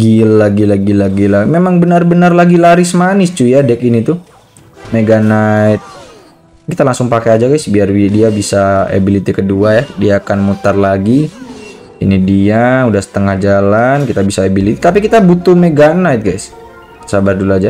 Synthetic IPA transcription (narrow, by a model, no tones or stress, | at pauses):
ɡilːaɡilaɡilaɡilamemaŋbənarbənarlaɡilaɾɪsmanɪst͡ʃujadɛkinit̪u | meɡanajt̪̚ | kit̪alaŋsʊŋpakead͡ʒaɡajsbiarbidiabisaa̰bilit̪ikəduajadiaːkanmut̪arlaɡi | inidiaudahsə̥t̪əŋahd͡ʒalankit̪abisaːbilit̪i̥t̪ap̬ikit̪abut̪umeɡanajt̪̚ɡajs | sabarduluad͡ʒa